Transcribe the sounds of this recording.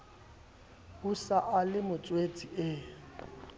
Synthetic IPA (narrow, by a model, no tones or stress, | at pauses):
husaʔalɪmʊt͡sʼwet͡sʼiɪ